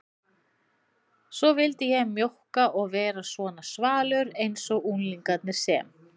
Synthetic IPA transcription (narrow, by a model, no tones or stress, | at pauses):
sɔvɪlt̪ɪjɛmːjowhkaʔɔɣvɛːɾasvɔːnasvaːlʏɾejnsɔɣunliŋkat̪nɪɾ̥sɛ̰ːm